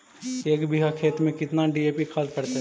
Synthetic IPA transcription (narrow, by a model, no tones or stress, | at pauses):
eːkbɪɦakʰeːt̪mẽkɪt̪naɖieːpikʰaːlpɐɽt̪e